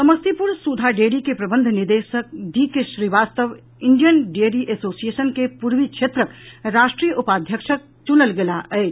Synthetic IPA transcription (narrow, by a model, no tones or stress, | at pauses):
səməst̪ipuɾsud̪ʱaɖeɽikepɾəbənd̪ʱniɾd̪esək̚d̪ikeʃɾiʋast̪əʋ | iɳɖijənɖeɾiʔesosijesənkepuɾʋit͡ʃʰet̪ɾəkɾasʈɾijəʔupad̪ʱjəkʃʰək̚t͡ʃunəlɡelaʔəɪt͡ʃʰ